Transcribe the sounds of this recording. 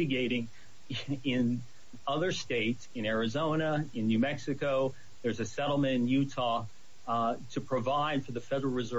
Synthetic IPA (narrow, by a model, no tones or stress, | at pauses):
ɨɡeɪɾɪ̃ŋ | ɪ̃n | ʌðə˞steɪtsɨ̃ñɛɹɨzõʊ̃ñəɨ̃nːʉmɛksɨkoʊ | ðə˞zɨsɛɾl̩ˠmɨ̃ɾ̃njʉtʰɔ | tʰɨpʰɹ̥ɨvaɪd̥fə˞ðɨfɛɾə˞l̩ˠɹɨzɜ